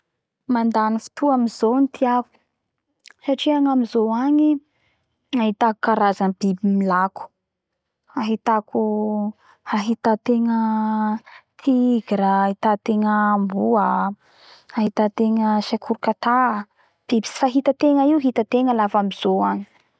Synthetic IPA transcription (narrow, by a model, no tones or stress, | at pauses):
mand̪anifi̥t̪uamizont̪ʰiaku̥ | saʈ͡ʂiaŋamizoaŋi | aɦit̪aku̥kaɾazanbibimilaku̥ | aɦit̪akʰu | haɦit̪at̪eŋə | t̪ʰiɡɾəahit̪at̪eŋəmbuə | aɦit̪at̪eŋəʃakʰuɾukat̪a | b̥ibi̥si̥faɦit̪ət̪eŋəiwɦit̪ət̪eŋəlafamiz̥oaŋi̥